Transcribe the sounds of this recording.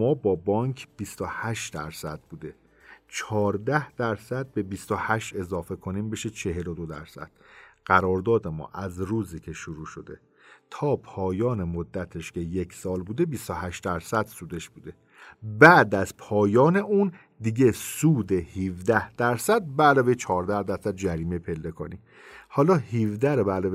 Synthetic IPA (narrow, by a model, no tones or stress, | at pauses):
mɒːbɒːbɒːŋkʰbist̪ohæʃd̪æɾsæd̪̚buːd̪e̞ | t͡ʃʰɒːɾd̪æhd̪̥æɾsæd̪̚be̞bist̪ohæʃt̪e̞zɒːfe̞kʰo̞niːmbe̞ʃet͡ʃʰe̞ɦe̞lo̞d̪o̞d̪æ̰ɾsæ̰d̪̥̚ɢ̥æɾɒːɾd̪ɒːd̪e̞mɒ̰ːʔæzɾuːziːcʰe̞ʃuɾuːʃo̞d̪e | t̪ʰɒːpʰɒːjɒːne̞mod̪ːæt̪ʰe̞ʃcʰe̞jecʰsɒːlbuːd̪e̞bist̪oɦæʃt̪d̪æɾsæd̪̥suːd̪e̞ʃbuːd̪e̞ | bæːd̪æz̥pʰɒːjɒːne̞ʔuːn | d̪iɟe̞suːd̪e̞hiːvd̪æhd̪̥æɾsæd̪̚bælɒːvejt͡ʃʰɒːɾd̪æhd̪æɾsæd̪̚d͡ʒæɾiːmepʰe̞lːekʰo̰nḭm | hɒːlɒːhiːvd̪æɾobælɒːve